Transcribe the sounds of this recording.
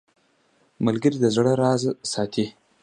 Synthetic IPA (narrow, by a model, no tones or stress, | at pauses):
məlɡəɾid̪əzɽəɾɑzsɑt̪ʰi